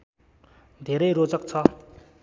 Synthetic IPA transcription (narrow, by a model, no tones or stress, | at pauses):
d̪eɾerot͡sak̚t͡sʰɑ